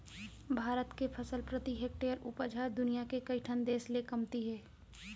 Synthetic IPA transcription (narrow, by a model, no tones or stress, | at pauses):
bʱaːɾət̪kepʰɐsəlpɾət̪iɦeːk̚ʈeːəɾʊpəd͡ʒʱaːɾd̪ʊnijakekɐiʈʰənd̪eːslekɐmt̪iɦɛː